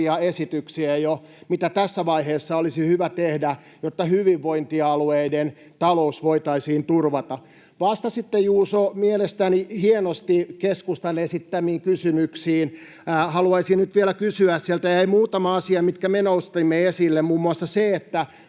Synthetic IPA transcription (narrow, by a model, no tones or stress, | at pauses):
iɑesit̪yksiæjo | mit̪æt̪æsːæʋɑiheːsːɑolisihyʋæt̪ehdæ | jot̪ːɑhyʋiʋːoint̪iɑlueiden | t̪ɑlousʋoit̪ɑisiːnt̪urʋɑt̪ɑ | ʋɑst̪ɑsit̪ːejuːsomielest̪ænihienost̪ikeskust̪ɑnesit̪t̪æmiːŋkysymyksiːnː | hɑluɑisinnyt̪ʋielækysyæssielt̪æjɑeimuːt̪ɑmɑɑsiɑmit̪kæmenoust̪imːeesilːemmuːmːuɑsːɑseet̪ːæ